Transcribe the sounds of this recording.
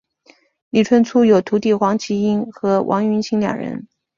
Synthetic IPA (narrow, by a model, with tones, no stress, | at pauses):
li˨˩ʈ͡ʂʰwə˥nt͡sʰu˥jo˨˩ʊt̪ʰu˧˥t̪i˥˩xwɑ˧˥ŋt͡ɕʰi˧˥i˥nxɤ˧˥wʔɑ̰˧˥ŋy˧˥nt͡ɕʰi˧˥ŋljɑ̰˨˩ŋɻə̰˧˥n